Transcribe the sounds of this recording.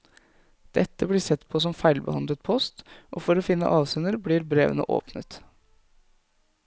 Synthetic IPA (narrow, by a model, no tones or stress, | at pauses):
d̪̥ɛt̪ːəblɪsɛt̪ːpʰɔs̬ɔmfæɪlbə̰hɑnd̪lət̪̚pʰɔst̪ʔo̰ːfɔɾoːfɪnːə̰ʔɑːʋsɛnəɾbɽɪɾbɾeːʋə̰nə̰ʔo̰ːpnə̰t̪